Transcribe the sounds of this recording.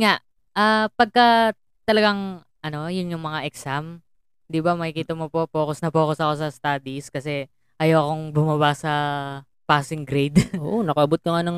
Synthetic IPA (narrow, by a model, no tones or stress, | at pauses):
ŋaʔ | ʔapɐɡ̚kɐ | t̪ɐlɐɡaŋ | ʔɐno̞jʊnjʊŋmɐŋaʔɛksam | d̪ɪbamɐkɪkiːt̪ɐmopo̞po̞ːkosnɐpoːkosɐko̞sɐst̪aːd̪iskɐsɛ | ʔɐjawɐko̞ŋbʊmɐβasɐ | paːsɪŋɡɾɛjd̪ʔoʔonɐkɐʔɐbot̪̚kɐŋanɐŋ